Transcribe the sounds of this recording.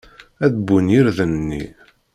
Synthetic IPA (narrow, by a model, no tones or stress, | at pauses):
æðbːunjiɾðənːḭ